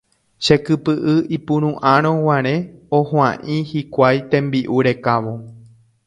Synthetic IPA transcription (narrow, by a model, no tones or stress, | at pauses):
ʃe̞kɨpɨʔɨipũɾ̃ũʔãɾ̃õwãɾ̃ẽ̞ohãʔĩhikʷajt̪ẽ̞mbiʔuɾe̞kaʋo̞